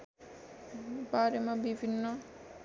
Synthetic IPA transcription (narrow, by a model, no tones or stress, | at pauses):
baɾjemabibʱinːʌ